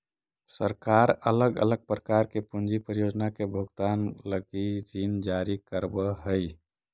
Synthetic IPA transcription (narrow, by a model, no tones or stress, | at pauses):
səɾkaɾələɡə̰ləɡ̚pɾəkaɾkepund͡ʒipɾəjod͡ʒnakebʱoɡt̪anləɡiɾind͡ʒaɾikəɾbəɦəj